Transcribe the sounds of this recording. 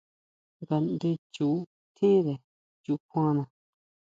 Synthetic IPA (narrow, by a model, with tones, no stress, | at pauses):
ŋɡa˧nd̪e˧t͡ʃu˨˦ | t̪ʰĩ˦ðe˨ | t͡ʃu˨kʷã˦nã˧